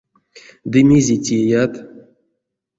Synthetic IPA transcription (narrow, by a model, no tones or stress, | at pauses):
d̪ɨmʲezʲetʲiejat̪